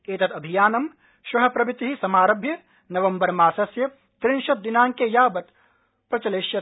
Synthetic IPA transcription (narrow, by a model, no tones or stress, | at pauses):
eːt̪ɐt̪ɐbʱijaːnɐm | ʃɾɐɦɳ̃ɐpɾɐbit̪ɦisɐmaːɾɐbʱjɐ | nɐʋɐmbɐɾmaːsɐsjɐ | t̪ɾinʃɐt̪̚d̪inaːŋkejaːbɐt̪ | pɾɐt͡ʃɐleːʃjɐ